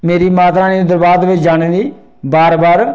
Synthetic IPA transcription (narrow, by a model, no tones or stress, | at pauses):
meːɾiːmaːt̪ãːneːd̪əɾbaːd̪ʋɪt͡ʃd͡ʒaːñẽːd̪iː | baːɾbaːɾ